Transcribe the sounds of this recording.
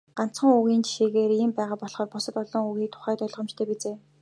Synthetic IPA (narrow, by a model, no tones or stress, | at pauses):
ɢ̥an̥t͡sχə̆ŋuɣiːnt͡ɕʰi̥ʃeːɣeːriːmpæːʁaːpɔɮχɔːrpʊsə̆t̪ɔɮɞ̆ŋuɣiːk̚t̪ʰʊ̥χæːt̪œɮʁɞ̆mt͡ɕt̪ʰeːpet͡seː